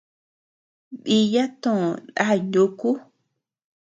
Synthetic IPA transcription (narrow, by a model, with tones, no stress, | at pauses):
ɓi˧ja˦t̪õ˦˨na̰˦˨no˧ku˦